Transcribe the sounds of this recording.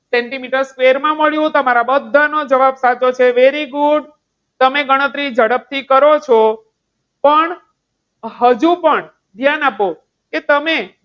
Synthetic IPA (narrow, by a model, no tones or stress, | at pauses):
sɛɳʈimiʈəɾskʋeɾmãməɭjũt̪əmaɾabəd̪ʱːanod͡ʒəʋabsat͡ʃot͡ʃʰeʋeɾiɡuɖ | t̪əmeɡəɽ̃ət̪ɾid͡ʒəɽəp̚t̪ʰikəɾot͡ʃʰo | pəɳ | ɦəd͡ʒũpəɳ | d̪ʱjanapo | ket̪əme